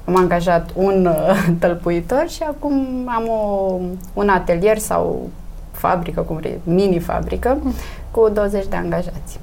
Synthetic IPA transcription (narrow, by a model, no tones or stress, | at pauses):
amaŋɡaʒat̪unt̪əlpuit̪o̞rʃiakumamo | unat̪e̞lije̞rsa̰w | fa̰bɾikəkumɾḭminifa̰bɾḭkə | kud̪owəzet͡ʃʲd̪e̞a̰ŋɡaʒat̪sʲ